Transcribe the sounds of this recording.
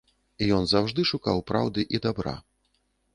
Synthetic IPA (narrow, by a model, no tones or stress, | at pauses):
ijɔnzawʐd̪ɨʂukawpɾa̰wd̪ɨʔid̪abɾa̰